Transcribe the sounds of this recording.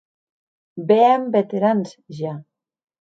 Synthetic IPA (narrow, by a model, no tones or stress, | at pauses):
beambet̪eɾansʒa